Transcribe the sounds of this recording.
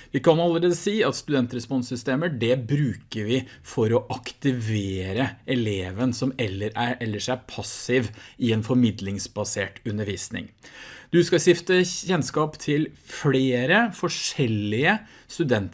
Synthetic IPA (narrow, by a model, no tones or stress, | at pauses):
ʋɪkɑnɑlːəɾeːd̪əsiːɑt̪st̪ʉd̪ɛnt̪ɾɛspɔnsʏst̪eːməɖɛbɾʉːkəɾʋɪ | fɔɾɔʔɑkt̪ɪʋeːɾəɛleːʋənsɔmɛlːəɾæɾɛlːəʂæɾpʰɑsɪʋɪɛnfɔɾmɪd̪lɪŋsbɑseːʈʉnːəɾʋiːsnɪ̰ŋd̪̥ʉskɑɕɪft̪əçɛnskɑːpt̪ʰɪlfleːɾəfɔʂɛlːɪə | st̪ʉd̪ɛnt̪